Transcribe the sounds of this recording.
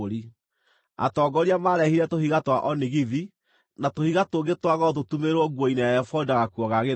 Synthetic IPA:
oɾi | a̰tɔːɡɔɾiamaɾɛhiɾɛtohiɣatwaʔɔniɣiði | natohiɣatoɡetwaɣɔt̬otumeɾwɔɡwɔinejaɛfɔdaɣakwɔɣaɣe

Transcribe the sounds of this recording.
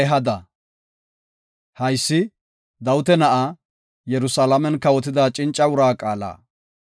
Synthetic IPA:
ɛɦɐd̪ɐ | hɐjsːɪ | d̪ɐwʊt̪ɛnɐʔa | jɛɾʊsalɐmɛnkːɐwɔt̪̬ɪd̪aːt͡ʃʼɪnt͡ʃʼːɐʊɾaːkʼaːla̰ː

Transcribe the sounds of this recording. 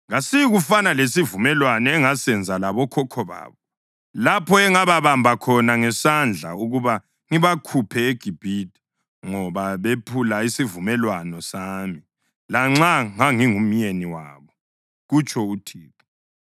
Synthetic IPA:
ŋasiiɣufanalesivumɛlwanɔɛŋasɛnd͡zʱalaβɔkʰɔkʰɔβa̰ːβɔ | lapʰɔɛŋaβaβambʱakʰɔnaŋɛsand͡ɮʱa̰uɣuβa | ŋiβakʰupʰɛeɡ̥ʱib̥ʱitʰʼi̥ | ŋɔβaβepʰulaisivumɛlwanɔsaːmi | laŋ͡ǁaŋaŋiŋumjeniwa̰ːβɔ | ɣut͡ʃʰʼɔutʰiːtɔ̥

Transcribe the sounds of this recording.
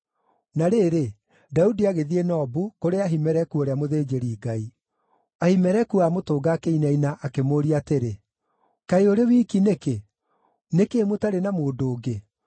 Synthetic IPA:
naɾeːɾe | daudiaɣeðienɔbukoɾeaɦimɛɾɛkuoɾeamoðeːd͡ʒeɾiːɡai | ahimɛɾɛkuamotoːɡaːkeinainaʔakemoɾiateɾe | kaeoɾewiːkineke | nekeːmotaɾenamoːdoːɡe

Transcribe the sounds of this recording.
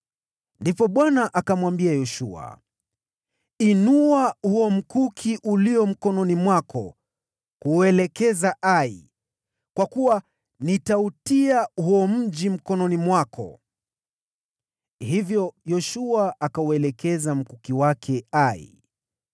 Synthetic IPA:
ndipɔɓwanaʔakamwambiajɔʃua̰ | inuahuɔm̩kukʰiʔuliɔm̩kɔnɔnimwakɔ̰ | kuɛlɛkɛzaʔaḭ | kwakuwa | nitautiahuɔm̩ʄim̩kɔnɔnimwakʰɔ̰ | hivjɔjɔʃuaakauɛlɛkɛzam̩kukiwakʰɛaḭ

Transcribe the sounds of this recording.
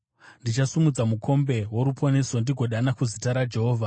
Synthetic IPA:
ndit͡ʃasumud͡zamukʰo̞mbe̞ɦwoɾupʰo̞ne̞so̞ndiɡʱo̞ɗanakuzitaɾad͡ʒe̞ɦoːvʱa

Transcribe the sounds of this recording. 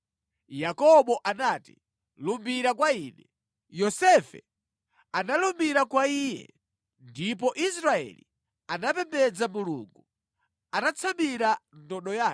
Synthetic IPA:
jakɔɓɔʔanaːti | lumbiɾakwaiːnɛ | jɔsɛfɛ̰ | analumbiɾakwaijɛ̰ | ndip̬ɔʔisɾaɛ̰lḭ | anapɛmbɛd͡zamulṵːŋɡu | anat͡sʰambiɾandɔɗɔjaː

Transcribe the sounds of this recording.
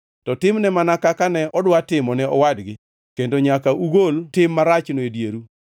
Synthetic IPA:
tɔtɪmnɛmanakakanɛʔɔdwatɪmɔnɛɔwadɡɪ | kendoɲakaʔuɡoltɪmːaɾat͡ʃnoedjeɾu

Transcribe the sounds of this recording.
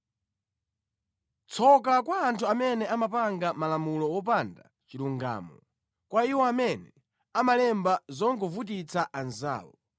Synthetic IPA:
t͡sʰɔk̬akwaːntʰuamɛnɛamapaŋɡamalamulɔwɔp̬anda̰ | t͡ʃiɾuŋɡa̰ːmɔ | kwaiwɔamɛnɛ | amalɛmbazɔŋɡɔvut̬it͡sʰaʔanza̰ːwɔ

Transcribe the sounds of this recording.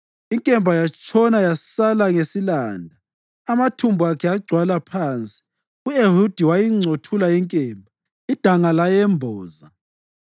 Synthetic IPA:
iŋkʼɛmbʱajat͡ʃʼʰɔnajasalaŋesilaːndʱaː | matʰumbʱuakʰɛaɡ͡ǀʱwalapʰaːnt͡sʼi̥ | ueɦud̥ʱiwajiŋ͡ǀʱotʰulaiŋkʼɛːmbʱa | id̥ʱaŋalajɛmbʱɔːza

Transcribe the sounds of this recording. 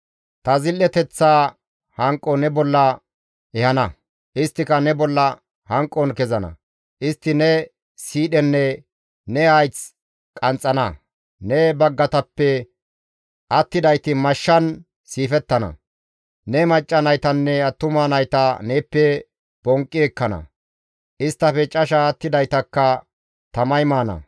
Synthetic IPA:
t̪ɐzɪlːɛt̪ɛt͡sːaː | hɐŋkʼːɔnɛbɔlːɐ | ɛhɐnɐ | ʔɪst̪ːɪkɐnɛbɔlːɐ | hɐŋkʼːɔnkɛzɐnɐ̰ | ʔɪst̪ːɪnɛ | siːɗɛnːɛ | nɛɐjt͡s | kʼɐnt͡sʼːɐnɐ | nɛbɐɡːɐt̪ɐpːɛ | ʔɐt̪ːɪd̪ɐjt̪ɪmɐʃːɐn | siːfɛt̪ːɐnɐ̰ | nɛmɐt͡ʃʼːɐnɐjt̪ɐnːɛɐt̪ːʊmaːnɐjt̪ɐneːpːɛ | b̥ɔŋkʼːɪɛkːɐnɐ̰ | ʔɪst̪ːɐfɛt͡ʃʼɐʃɐːt̪ːɪd̪ɐjt̪ɐkːɐ | t̪ɐmɐjmaːnɐ̰

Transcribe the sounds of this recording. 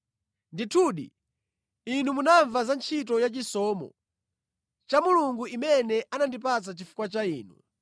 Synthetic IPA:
nditʰuːɗḭ | inumunaɱvazant͡ʃʰit̬ɔjat͡ʃisɔːmɔ̰ | t͡ʃamuluŋɡuimɛnɛʔanandip̬at͡sat͡ʃifu̥kwat͡ʃaiːnṵ

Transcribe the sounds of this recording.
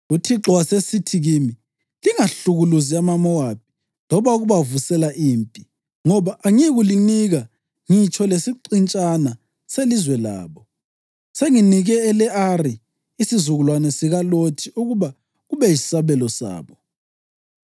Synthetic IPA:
utʰiǁɔwasesitʰiɣimi | liŋaɬuɣuluziamamɔwap̚ʰi̥ | lɔβauɣuβavusɛlaʔiːmpʼi | ŋɔβaʔaŋiɣuliniɣa | ŋit͡ʃʼʰɔlesiǃint͡ʃʼana | selizwɛla̰ːβɔ | seŋiniɣɛːlɛʔari | isizuɣulwanɛsiɣalotʰiuɣuβa | ɣuβɛjisaβɛlɔsa̰ːβɔ

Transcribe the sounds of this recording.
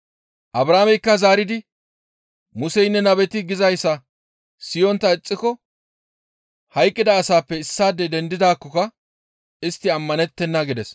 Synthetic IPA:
ʔɐbɾaːmɛjkːɐzaːɾɪd̪ɪ | mʊsɛjnːɛnɐbɛt̪ɪɡɪzɐjsːɐ | sɪjɔnt̪ːɐɪt͡sʼːɪkɔ | hɐjkʼːɪd̪ɐːsaːpːɛɪsːaːd̪ɛd̪ɛnd̪ɪd̪aːkːɔkɐ | ɪst̪ːɪɐmːɐnɛt̪ːɛnːɐɡɪd̪ɛs

